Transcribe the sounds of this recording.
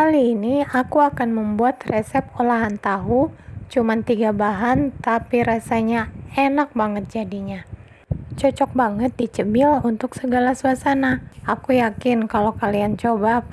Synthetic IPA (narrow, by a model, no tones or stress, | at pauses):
kaliːniakuakanməmbuat̪resɛp̚olaɦant̪aɦut͡ʃumant̪iɡabaɦant̪apiɾasaɲaenak̚baŋət̪̚d͡ʒadiɲa | t͡ʃɔt͡ʃɔk̚baŋət̪̚dit͡ʃəbɪlunt̪ʊksəɡalasuasanaakujakɪnkalokaliant͡ʃobap̚